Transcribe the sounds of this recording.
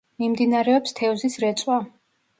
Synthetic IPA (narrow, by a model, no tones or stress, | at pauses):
mimd̪inaɾɛɔpst̪ʰɛɔzisɾɛt̪sʼwa